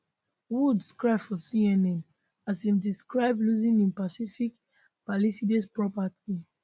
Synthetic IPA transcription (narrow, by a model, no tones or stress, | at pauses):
wudskɹaɪbfɔsiɛnɛ̃n | asĩmdiskɹaɪbluzĩnĩnpasifik | palisidespɹɔpati